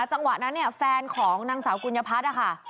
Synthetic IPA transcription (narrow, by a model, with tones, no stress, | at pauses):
t͡ɕa˧ŋwa˨˩t̪̚na˦˥nːi˥˩ɐfɛː˧nkʰɔː˩˦ŋnaː˧ŋsaː˩˦wku˧nja˧pʰa˦˥a˧˥˩kʰa˥˩